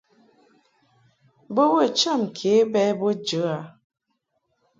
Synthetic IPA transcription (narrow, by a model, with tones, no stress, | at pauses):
bə˦bə˦˨t͡ʃə˦˨mkʰe˨˦bɛ˦bo˦d͡ʒə˨˦a˨